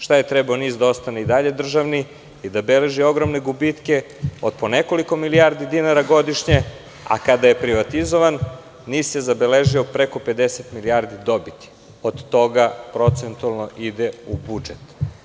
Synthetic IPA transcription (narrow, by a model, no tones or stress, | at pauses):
ʃt̪aje̞t̪ɾɛbaoniːzd̪ao̞st̪aneid̪aʎe̞d̪r̩ʒaʋni | id̪abele̞ʒio̞ɡɾomne̞ɡubit̪ke̞ | od̪̥̚poneko̞liko̞miliaɾd̪id̪inaɾaɡo̞d̪iʃɲe | a̰kad̪aje̞pɾiʋat̪izo̞ʋanː | iːsjezabeleʒiopɾe̞ko̞pe̞d̪eset̪miliaɾd̪id̪o̞bit̪i̥ | od̪ːo̞ɡapɾo̞t̪sent̪ualˠno̞ʔid̪eubud͡ʒet̪